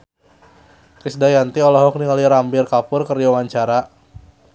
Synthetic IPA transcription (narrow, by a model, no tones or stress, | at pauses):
kɾisdajant̪iɔlɔɦɔk̚niŋaliɾambɪrkapʊrkəriawaɲt͡ʃaɾa